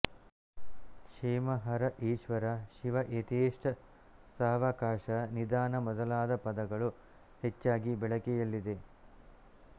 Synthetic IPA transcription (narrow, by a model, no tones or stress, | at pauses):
ʃʂeːmɐɦɐɾɐʔiːʃʋɐɾɐʃiʋɐʔet̪eːʂʈɐ | saːʋɐkaːʂɐnid̪aːnɐmɔd̪ɐlaːd̪ɐpɐd̪ɐɡɐɭu | het͡ʃːaːɡibɛɭɐkɛjɐlːid̪e̞